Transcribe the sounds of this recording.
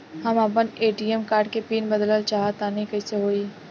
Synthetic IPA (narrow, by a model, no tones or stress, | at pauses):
həmɐp̬əneːʈiːemkaːɾɖ̚kepiːnbəd̪ləlt͡ʃaːɦat̪anĩkəiseɦoːi